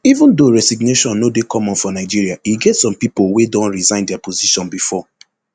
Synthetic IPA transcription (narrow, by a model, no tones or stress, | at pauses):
ivũndoɹɛsiɡ̚neʃɔ̃nːodekʰɔ̃mɔ̃nfɔnaɪd͡ʒiɹiaiɡɛtsɔ̃mpipowedɔ̃nɹizãɪ̃ndɛapʰoziʃɔ̃nbifɔ